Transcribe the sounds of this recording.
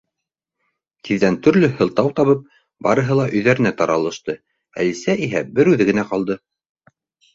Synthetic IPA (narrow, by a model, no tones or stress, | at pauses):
t̪iðːænt̪ɵ̆ɾlɵhɤ̆lˠt̪ɑwt̪ɑβɤp̚ | bɑɾɤ̆ɦɤlˠɑʔɵ̆jðæɾɘ̆næt̪ɑɾɑlˠɤ̆ʃt̪ɤ | æ̰lisæʔiɦæbɘɾʉðɘɡɘ̆næqɑlˠd̪ɤ